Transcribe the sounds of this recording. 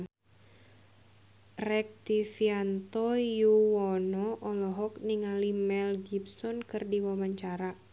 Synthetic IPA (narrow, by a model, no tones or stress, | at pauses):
rɛk̚t̪ifiant̪ɔjuwɔnɔʔɔlɔɦɔk̚niŋalimɛlɡibsɔnkɨrdiwamaɲt͡ʃaɾa